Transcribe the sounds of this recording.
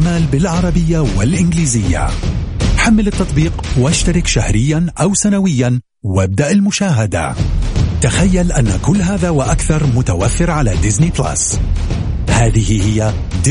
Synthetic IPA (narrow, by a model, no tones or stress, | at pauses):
maːlbɪlʕɑɾˤɑbɪjːawɪlʔɪnɡliːzɪjːa̰ | ħamːɪlɪt̪ːɑt̪ˤbiːqwaʃt̪aɾɪkʃahɾɪjːanʔawsanawɪjːan | wab̚d̪aʔɪlmʊʃaːɦad̪a̰t̪axajːalʔanːakʊlːɦaːðaːwaʔakθɑɾˤmʊt̪awafːɪɾʕalad̪ɪznipla̰s | haːðɪhɪhɪjːa | d̪